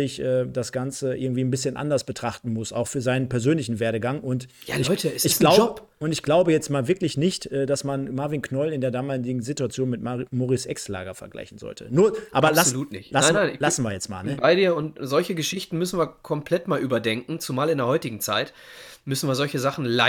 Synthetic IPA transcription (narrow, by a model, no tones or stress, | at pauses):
ɪçʔɛːd̥asɡ̥ant͡səʔɪɐɡŋ̩tv̥iːnbɪsçənʔa̰ndɐsb̥ətʁ̥aχtn̩mʊsa̰ʊxfyːɐzaɪnənpɛɐzøːnlɪçn̩veːɐɾəɡaŋʔʊntjaɪçtəɪɡ̥laʊp | ʊntɪçɡ̥laʊbəjɛt͡stmaːlvɪɐklɪçnɪçtʔɛːd̥asmanmaɐvinkʰnɔlɪndeːɐdaːmaːlɪɡŋ̩zituat͡sjoːnmɪtmoːʁɪsʔɛ̰ksla̰ːɡɐfɛɐɡla̰ɪçn̩zɔ̰ltʰə̰nuːɐʔaːbɐlasluːtnɪ̰çlasanaɪnlasn̩viːɐjɛt͡stma̰ːlnəbaɪdiːɐʊntzɔlçəɡəʃɪçtn̩mʏsn̩viːɐkʰɔmpʰl̥ɛtmaːlʔyːbɐdɛŋkŋ̩t͡sumaːlɪndeːɐhɔʏtɪɡŋ̩t͡saɪt | mʏsn̩viːɐzɔlçəzaχn̩la